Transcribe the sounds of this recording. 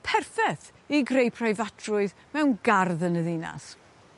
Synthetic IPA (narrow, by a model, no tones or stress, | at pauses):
pʰɛrfɛθ | iɡrejpʰrajvadʰrʊɨð | mɛwnɡarðənəðina̰s